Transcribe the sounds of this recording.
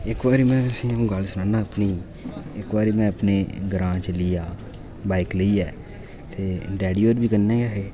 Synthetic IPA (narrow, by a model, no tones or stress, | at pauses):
ɪkbaːɾiːmɛ̃ːəsĩːõːɡəlsʊnãːnaːəpniː | ɪkʋaːɾiːmɛ̃ːəpneːɡəɾãːt͡ʃəliːaː | baːikləiːɛː | t̪eːɖɛːɽiːoːɾbʱiːkənːɛ̃ːɡaːɦeː